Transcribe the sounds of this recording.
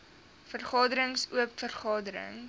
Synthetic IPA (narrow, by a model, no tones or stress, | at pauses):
fərχɑːdəɾəŋsuəpfərχɑːdəɾə̰ŋ